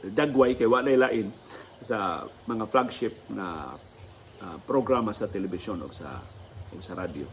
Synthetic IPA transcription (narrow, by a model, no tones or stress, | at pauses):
d̪aɡwajkajwaʔnajlaːʔɪn | sa | mɐŋaflaɡʃɪp̚ŋa̰ | ʔapɾoɡɾamasat̪ɛlɛbɪsonʊ̰ɡsa̰ʔʊɡ̚saɾad̪jo̰